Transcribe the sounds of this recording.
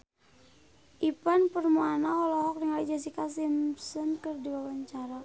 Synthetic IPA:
ʔipanpərmuanaɔlɔɦɔk̚niŋalɛd͡ʒas̬ikas̬imsənkərdiwawaɲt͡ʃaɾa

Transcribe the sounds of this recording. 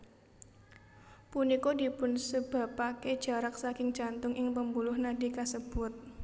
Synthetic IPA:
punikodipʊnsəb̥a̤pake̥d͡ʒ̥a̤ɾak̚sakɪŋd͡ʒant̪ʊŋʔɪŋpəmbulʊhnadikasəb̥ʊt̪̚

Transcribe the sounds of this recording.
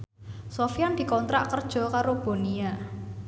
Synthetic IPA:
sofijand̪̥i̤kɔnt̪ɾa̰ʔkərd̥ʒ̥ɔ̤kaɾob̥o̤nia

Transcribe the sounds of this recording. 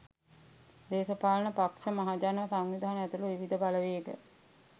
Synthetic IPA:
d̪eːsəpaːlənəpakʂəmaɦad͡ʒanʋəsaŋnid̪ʱaɦanəæt̪uluʋiʋid̪əbaləʋejəɡə̰

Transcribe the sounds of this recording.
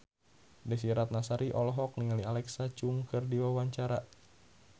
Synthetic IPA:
dɛsiɾat̪̚nasaɾiʔɔlɔɦɔk̚niŋalialɛksat͡ʃuŋkɨrdiwawaɲt͡ʃaɾa

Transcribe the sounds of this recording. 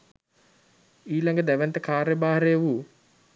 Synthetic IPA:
iːlaŋɡəd̪æʋənt̪əkaːɾjəbaːɦɐɾejəʋu

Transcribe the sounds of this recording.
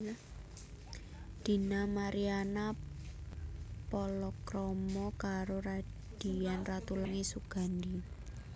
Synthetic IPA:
d̪̥i̤namaɾiana | pɔlɔkɾɔmɔkaɾoɾa | d̪̥i̤janrat̪ulaŋesuɡ̥a̤nd̪i

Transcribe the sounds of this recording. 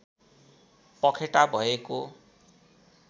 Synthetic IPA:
pʌkʰeʈabʱʌeko

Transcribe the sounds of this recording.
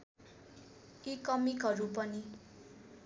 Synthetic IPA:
ikʌmikɦʌɾupʌni

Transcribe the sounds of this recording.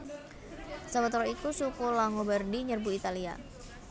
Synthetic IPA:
səbat̪ɾɔikusukulaŋobərdiɲərbuit̪alia̰

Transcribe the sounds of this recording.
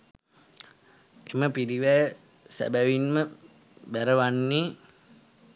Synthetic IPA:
eməpiɾiwɛ | sæ̰bæwinmə | bæɾəwanːi

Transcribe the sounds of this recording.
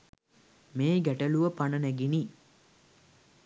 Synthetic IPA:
meːɡæʈəluʋəpanənæɡini

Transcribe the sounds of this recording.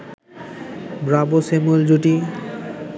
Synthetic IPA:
bɾabosemuld͡ʑuʈi

